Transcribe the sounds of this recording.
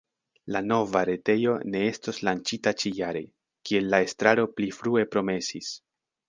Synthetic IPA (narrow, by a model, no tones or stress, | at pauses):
lano̞vaɾe̞te̞jo̞ne̞e̞stoslant͡ʃitat͡ʃijaɾe̞̰ | kie̞lːae̞stɾaɾo̞plifɾue̞pɾo̞me̞sis